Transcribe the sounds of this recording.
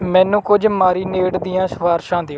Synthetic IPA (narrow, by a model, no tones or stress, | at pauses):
mɛ̃ːnũːkʊd͡ʒmaːɾiːneːʈd̪iːjãːsʋaːɾʃãːd̪eːo